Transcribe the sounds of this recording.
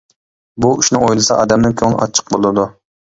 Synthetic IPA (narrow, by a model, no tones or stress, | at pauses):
buyʃnɨŋojlˠɨsɑʔɑ̰d̪ɛmnɪŋkʲʰøŋlˠʔɑ̰t͡ʃʰːə̥q̚bolˠɨd̪u